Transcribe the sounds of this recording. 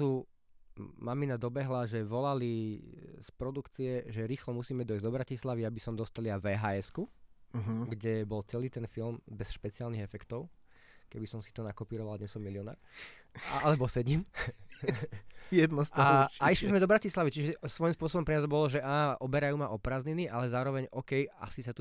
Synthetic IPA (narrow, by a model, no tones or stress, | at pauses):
u | maminad̪ɔbɛɦlaʒɛʋɔlali | spɾɔd̪ukt͡siɛʒɛɾiːxlɔmusiːmɛd̪ɔizd̪ɔbɾacislaʋiabisɔmd̪ɔst̪aliaʋɛːɦaːɛsku | ɡɟɛbɔlt͡sɛliːt̪ɛnfilmbɛsʃpɛt͡siaːlniɣɛfɛkt̪ɔʊ | kɛbisɔmsi̥t̪ɔnakɔpiːɾɔʋald̪ɲɛsɔmːiliɪɔna̰ːɾ | aalɛbɔsɛɟim | jɛd̪nɔstaaiʃlizmɛd̪ɔbɾacislaʋit͡ʃiʒɛsʋɔjimspʊɔs̬ɔbɔmpɾɛɲazɔbɔlɔʒɛʔaːʔɔbɛɾajuːmaʔɔpɾaːzɲiniʔalɛzaːɾɔʋɛɲɔkɛja̰sisat̪u